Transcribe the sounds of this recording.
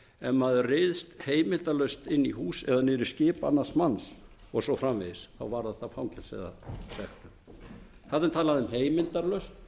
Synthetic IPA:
ɛnmaðʏrɪðst̪heːjmɪlt̪alœɥst̪ɪnːiɦuːsɛðanɪɾʏ̥scɪːpa̰nːasmansɔɣsɔfɾamvḛðɪsθa̰wvaɾðaθafawŋcʰɛlsɛ̰ða̰sɛxt̪ʏm | θat̪ɪmt̪ʰaːlaðʏmɦeːjmɪlt̪aɾlœɥst̪

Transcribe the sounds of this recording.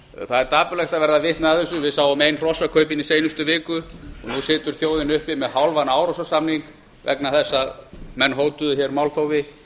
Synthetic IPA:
θaðɛɾt̪ʰaːpʏlɛxt̪avɛɾðavɪht̪naaðθɛs̬ʏvɪðsaːwamejnr̥ɔsakʰœːɥpɪnisejnʏst̪ʏvɪːkʏɔɣnusɪːt̪ʏɾ̥θjoːwðɪnʏhpɪmɛðɦawlvanawɾɔsasamniŋk | vɛ̰knaθɛsːaðmɛnːɦoːwt̪ʏðçɛɾmawlθowvɪ

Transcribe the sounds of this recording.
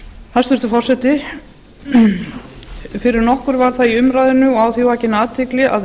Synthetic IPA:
hast̪vʏst̪ʏfɔr̥sɛt̪ɪ | fɪɾɪɾnɔhkʏɾvaɾ̥θaðiʏmɾaːjðʏnʏɔawθjivaːcɪnaːt̪ʰɪklɪa̰ð

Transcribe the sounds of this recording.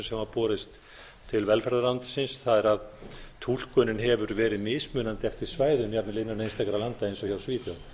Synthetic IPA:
nsɛmapɔːɾɪst̪ | t̪ʰːɪlvɛlfɛɾðalawnt̪ɪ̥sɪnsθaðɛɾaðt̪ʰul̥kœːnɪnɦɛvʏɾvɛːɾɪðmɪːsmʏːnant̪ɪɛft̪ɪɾ̥svaːjðʏmjapnalɪnanejnst̪ɛkɾalant̪aejnsɔçawsviːθjaw

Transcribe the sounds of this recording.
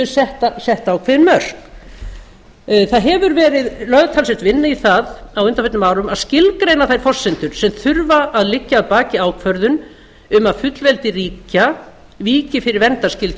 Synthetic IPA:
ʏsɛht̪asɛht̪aːwkʰvɛðɪnmœr̥k | θaðɦɛvʏɾvɛːɾɪðlœɥðt̪ʰalsɛht̪vɪnːɪiθaðawʏnt̪afɛt̪nmaːwɾʏmaðscɪlkɾejnaθajɾ̥fɔr̥sːɪnt̪ʏɾ̥sɛmθʏɾvaaðlɪcːaːðpaːcɪaːwkʰvœɾðʏn | ʏmaðfʏt̪lvɛlt̪ɪriːca | viːcɪfɪɾɪɾvɛnt̪ascɪlt̪

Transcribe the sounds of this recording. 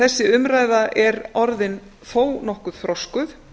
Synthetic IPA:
θɛsːɪʏmɾaːjðaʔɛɾɔɾðɪn | θoːwnɔhkʏðθɾɔskʏθ

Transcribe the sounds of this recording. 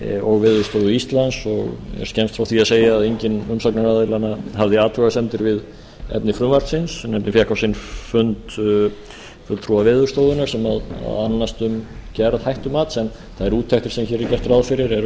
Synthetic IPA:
ɔɣvɪːðʏst̪oːwðʏist̪lansɔɣɛ̰ɾ̥scɛnmst̪fɾawθiaðseːjaːðejɲcɪnʏmsɔknaɾaðɪlanahavðɪaːt̪ʰɾuɣasɛnt̪ɪɾvɪð | ɛ̰pnɪfɾʏmvaɾt̪sɪnsnɛmp̪nɪfjakawsɪnfʏnt̪ | fʏlt̪ʰɾuavɪːðʏ̥st̪oːwðʏnaɾ̥sɛmaða̰anːast̪ʏmcɛːɾaðhajht̪ʏmaːt̪sɛn | θaðɛɾuːt̪ʰːɛkt̪ʏ̥sɛmçɛːɾɛɾcɛr̥t̪ɾaðfɪɾɪɾɛɾ

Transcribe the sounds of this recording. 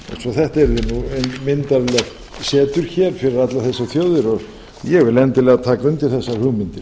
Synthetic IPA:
ɛ̰nsvɔθɛht̪aɛɾðɪnuenmɪnt̪aɾlɛx | sɛːt̪ʏɾ̥çɛɾ̥fɪɾɪɾat̪laθɛsːaθjoːwðɪɾɔɣ | jɛɣvɪlɛnt̪ɪlɛɣat̪ʰaːkaʏnt̪ɪɾ̥θɛsːaɾhʏɣmɪnt̪ɪɾ

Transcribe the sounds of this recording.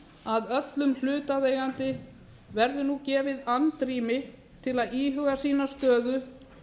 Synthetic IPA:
aðœt̪lʏml̥ʏːt̪aðeːjɣant̪ɪ | vɛɾðʏnucɛːvɪðant̪ɾiːmɪ | t̪ʰɪlaðiːɦʏɣasiːnast̪œːðʏ

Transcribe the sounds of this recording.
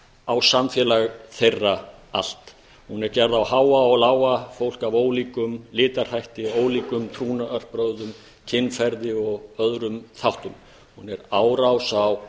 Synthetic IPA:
awsamfjɛːlaɣθejrːaal̥t̪ | hunɛɾcɛɾðawhaːwaɔɣlaːwafowl̥kavoːwliːkʏmlɪːt̪ar̥hajht̪ɪoːwliːkʏmt̪ʰɾuːnaʔœr̥pɾœwðʏm | cʰɪnːfɛɾðɪɔɣœðɾʏmθawht̪ʏm | hunɛɾaːwɾawsaw

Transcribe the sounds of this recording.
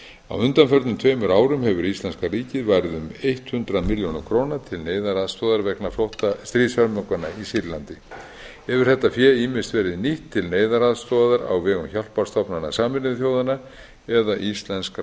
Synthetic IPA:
a̰wʏnt̪anfœɾt̪nʏmt̪ʰveːjmʏɾaːwɾʏmɦɛvʏɾist̪lɛnskariːcɪðvajɾɪðʏmejht̪hʏnt̪ɾamɪljonʏmkʰɾownat̪ʰɪlneːjðaɾaðst̪ɔðaɾvɛknaflowht̪ast̪ɾiːsœɾmœŋkana̰isiɾlant̪ɪ | ɛvʏɾ̥θɛht̪ːafjɛimɪst̪vɛːɾɪðniht̪ʰːɪlneːjðaɾaðst̪ɔðaɾa̰wvɛːɣʏmçal̥paɾ̥st̪ɔpnana̰saːmɪnɪθjoːwðana | ɛðaʔist̪lɛnsk

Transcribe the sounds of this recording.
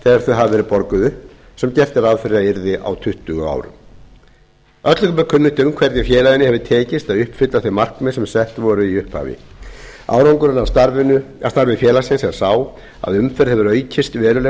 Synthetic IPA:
θɛːɣaɾ̥θœɦavvɛːɾɪpɔɾkʏðʏ | sɛmcɛr̥t̪ɪɾaðfɪɾɪɾaɪɾðɪʔa̰wt̪ʰʏht̪ʏɣʏa̰ːwɾʏ̰m | œt̪lkʏmɛɾkʰʏnːʏt̪ʏmkʰvɛɾt̪ɲɪfjɛːlaðɪnɪhɛvðʏt̪ʰɛːcɪst̪aðʏhpfɪt̪laθejmar̥kmɛsɛmsɛht̪vɔɾʏiʏhpha̰ːvɪ̰ | a̰ːwɾawŋkʏɾʏnavɪnʏa̰̥st̪aɾvɪfjɛːlasɪnsɛɾ̥saːw | a̰ðʏmfɛɾhɛvʏɾœːɥcʰɪst̪vɛːɾʏlɛ

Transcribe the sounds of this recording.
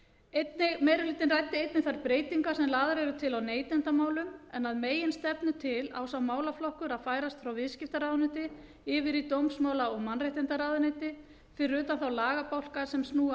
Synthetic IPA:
ejt̪nɪmejɾʏlɪːt̪ɪnrajt̪ːɪejt̪nɪθaɾpɾeːjt̪iŋkasɛmlaːðaɾɛɾʏt̪ʰɪlawneːjt̪ɛnt̪amaːwlʏmɛnaðmeːjɪnst̪ɛpnʏt̪ʰɪla̰wsawmaːwlaflɔhkʏɾaðfaːjɾast̪fɾawvɪðscɪft̪aɾaðnʏt̪ɪ | ɪvɪɾit̪owmsmaːwlaɔɣmanrejht̪ɛnt̪aɾaːðʏnet̪ɪ | fɪɾɪɾʏːt̪anθawlaːɣapawl̥kasɛmsnuːa

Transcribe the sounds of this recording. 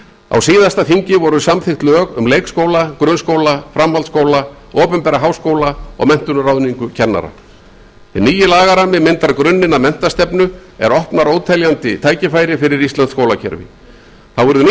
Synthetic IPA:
a̰wsiːðast̪aθiɲcɪvɔɾʏsamθɪxt̪lœːɣʏmleːjkskowlakɾʏnskoːwlafɾamhalt̪skoːwla | ɔːpɛmpɛɾaɦaːwskoːwlaɔ̰ɣmɛn̥t̪ʏnɾawðniŋkʏcʰɛnːa̰ɾa̰ | ɪniːjɪlaːɣaɾamːɪmɪnt̪aɾkɾʏnːɪnamɛn̥t̪ast̪ɛpnʏɛ̰ɾɔhpnaɾoːwt̪ʰɛljant̪ɪt̪ʰaːjcɪfaːjɾɪfɪɾɪɾist̪ant̪skoːwlacʰɛ̰ɾvɪ̰ | θawvʏɾðʏ

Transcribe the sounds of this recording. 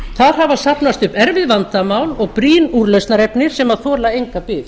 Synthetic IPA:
θaɾ̥ɦavasapnast̪ʏpɛɾvɪðvant̪amaːwlɔɣpɾiːnuɾlesnaɾɛpnɪɾ̥sɛmaðθɔːlaejŋkapɪːð

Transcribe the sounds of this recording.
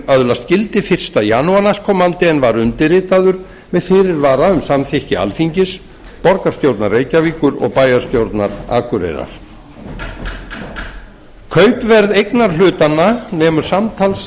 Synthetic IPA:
œðlast̪̚cɪlt̪ɪfɪr̥st̪ajaːnuanaskʰɔːmant̪ɪɛnvaɾʏnt̪ɪrɪːt̪aðʏɾ | mɛðfɪːɾɪɾvaːɾaʏmsamθɛhcɪa̰lfiɲcɪs | pɔɾkaɾ̥st̪jowɾt̪naɾːeːjcaviːkʏɾɔ̰ɣpaːjaɾ̥st̪jowɾt̪naɾa̰ːkʏɾḛjɾa̰ɾ̥ | kʰœːɥpvɛɾðejknaɾ̥l̥ʏːt̪anːanɛːmʏɾ̥samt̪ʰals

